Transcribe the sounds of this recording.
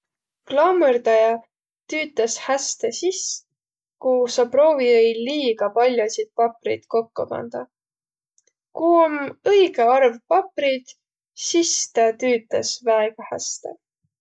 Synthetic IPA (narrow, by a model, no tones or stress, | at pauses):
klɑmerd̪ɑjɑ | t̪yːt̪ˑːɑshæst̪esis | kusɑpro̞ːviejliːɡ̥ɑpɑlʲjosit̪̚pɑprid̪̥ko̞kːo̰pɑ̰nd̪̥ɑ | kuomɤjɡeɑrvpɑprid̪̥ | sist̪ɑt̪yːt̪ːˑɑsvæeɡ̥ɑhæ̰st̪ḛ